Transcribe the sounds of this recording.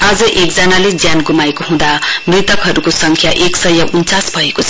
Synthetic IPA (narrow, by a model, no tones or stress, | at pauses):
ad͡zʌʔek̚d͡zʌnaled͡zjanɡumaekoɦũd̪amrit̪ʌkɦʌɾukosʌŋkʰjaʔeksʌjʌʔunt͡sasbʱʌekot͡sʰʌ